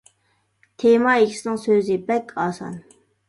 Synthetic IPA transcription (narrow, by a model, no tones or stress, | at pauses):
t̪ʰemɑekʲʰi̥sɪnɪŋsøzɪbɛkʲʰɑːsɑ̰n